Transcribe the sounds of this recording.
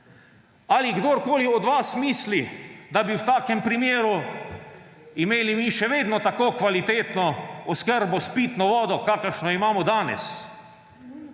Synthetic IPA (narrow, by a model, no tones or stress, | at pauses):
aliɡd̪oːɾkoːliɔd̪ʋasmiːslid̪abiwt̪aːkɛmpɾimjeːɾu | imeːlimiʃɛʋeːd̪nɔt̪akoːkʋalit̪eːt̪nɔɔskəɾbɔspiːt̪nɔʋɔːd̪ɔkaːkəɾʃnɔimaːmɔd̪aːnɛ̰s